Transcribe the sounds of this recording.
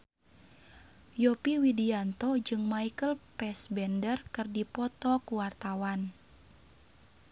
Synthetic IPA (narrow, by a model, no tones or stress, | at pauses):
jɔpiwidiant̪ɔd͡ʒɨŋmaikəlpɛsbɛndərkɨrdipɔt̪ɔkuwart̪awan